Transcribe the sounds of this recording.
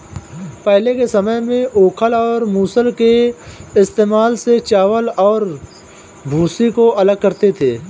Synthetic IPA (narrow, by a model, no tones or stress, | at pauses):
pɛɦlekesɐməjmẽʔoːkʰəlɔːɾmuːsəlkeɪst̪eːmaːlset͡ʃaːʋəlɔːɾ | bʱuːsikoʔɐləɡ̚kɐɾt̪et̪ʰeː